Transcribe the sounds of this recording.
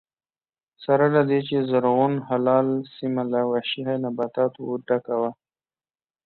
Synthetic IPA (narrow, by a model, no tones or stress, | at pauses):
saɾalad̪et͡ʃezaɾɣunhalɑːlsimalawaʃiɦajnabat̪ɑt̪wuɖakawa